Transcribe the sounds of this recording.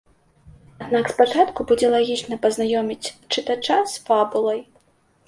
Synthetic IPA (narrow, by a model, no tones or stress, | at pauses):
ad̪nakspat͡ʂat̪kubud͡zʲɛlˠaɣʲit͡ʂnɐpɐznajɔmʲit͡sʲt͡ʂɨt̪at͡ʂasfabulˠɐj